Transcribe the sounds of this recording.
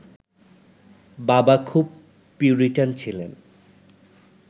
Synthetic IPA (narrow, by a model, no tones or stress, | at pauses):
babakʰub̚ | pːiuɾiʈant͡ɕʰilen